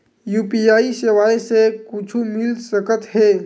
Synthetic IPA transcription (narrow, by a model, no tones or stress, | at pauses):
juːpiaːiseʋaːjsekʊt͡ʃʰumɪlsəkət̪ɦɛː